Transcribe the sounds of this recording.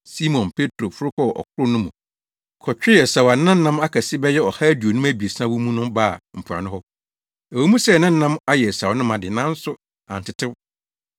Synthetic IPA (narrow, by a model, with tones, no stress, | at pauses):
si˦mɔ̃˨npʰe˦tʰɾo˨fʊ˦ɾʊ˦kʰɔ˦˨ʔɔ̰˨kʰʊ˦ɾʊ˦nʊ̃˦mṵ̃˨ | kʰɔ˨t͡ɕᶣɪ˦ɛ˨sa˨wa˨˦ã˦n̩˦nã˦ma˦kʰa˨sɪ˦bɛ˦jɛ˦ɔ˨ha˦æ˦du˨o˨nũ˦æ˦bi˨e˨sã˦wu˦mũ˦nʊ̃˦ba̰˦˨m̩˨pʰʊ˨ɾa̰˨nʊ̃˦hɔ˦ | æ˨wɛ˨˦mũ˦sɛ˦˨nɪ̃˦n̩˦nã˦ma˦jɛ˨sa˨wnʊ̃˦mã˨dɪ˨nã˦n̩˦sʊ˦ | ã˨n̩˨tʰɪ˨tʰɪ˦b